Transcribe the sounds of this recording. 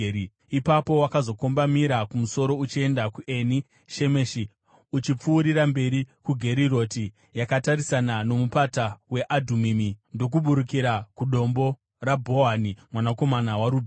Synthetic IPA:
ipapo̞wakazo̞ko̞mbamiɾakumuso̞ɾo̞ut͡ʃie̞ndakuʔe̞ni | ʃe̞meʃi | ut͡ʃip͡fuːɾirambe̞ɾikuɡʱe̞ɾiɾo̞ti | jakataɾisanano̞mupatawe̞ʔadʱumimindo̞k̬uɓuɾukiɾakuɗo̞mbo̞ | rabʱo̞ɦanimwanako̞manawaɾuː

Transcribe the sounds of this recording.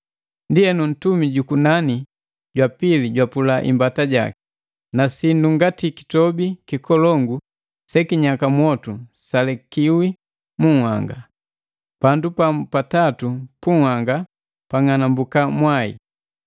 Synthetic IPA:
ndiɛnun̩tumiɟukunani | ɟwapiliɟwapulaʔḭmbataɟa̰ki̥ | nasinduŋɡatiki̥tɔbikikɔlɔŋɡu | sɛkiɲakamwɔtusalɛkiwi | muhwaŋɡa | pandupapatatupuhaŋɡa | paŋanambukamwaḭ

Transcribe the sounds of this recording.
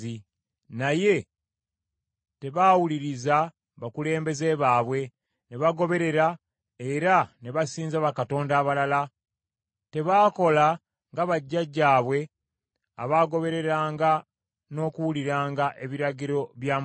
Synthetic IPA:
i | naje̞ | te̞βaːwuliɾiza | βakule̞ːmbe̞ze̞ːβaːβwe̞ | ne̞βaɡo̞βe̞ɾe̞ɾa | e̞ɾane̞βasiːnzaβakato̞ːndaːβalala | te̞βaːko̞la | ŋɡaβaɟːaɟːaːβwe̞ | aβaɡo̞βe̞ɾe̞ɾaːŋɡa | no̞ːkuwuliɾaːŋɡaʔe̞βiɾaɟiɾo̞βjaːm

